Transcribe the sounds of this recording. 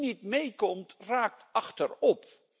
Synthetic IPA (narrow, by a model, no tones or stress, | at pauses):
nitmejkɔmtraːk̚tɑχtəɹɔp̚